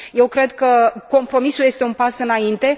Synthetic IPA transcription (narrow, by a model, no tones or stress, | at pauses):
je̞wkɾe̞d̪kəko̞mpɾo̞misulje̞st̪e̞unpasɨnaint̪e̞